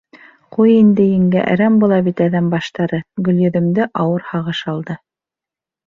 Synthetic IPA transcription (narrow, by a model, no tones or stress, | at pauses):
qujind̪ɘjɘ̆ŋɡæ̰ʔɾæmbulˠɑβit̪æðæmbɑʃt̪ɑɾɤɡɵ̆ljɵ̆ðɘ̆md̪ɘʔɑwɤɾhɑʁɤʃɑlˠd̪ɤ